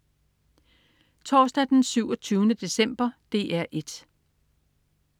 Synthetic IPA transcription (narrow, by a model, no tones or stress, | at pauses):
t͡sʰɒːsd̥æd̥ensyʊɒt͡sʰyːʊnəd̥e̝sem̰b̥ɐd̥e̝ːʔæɐ̰ʔe̝d̥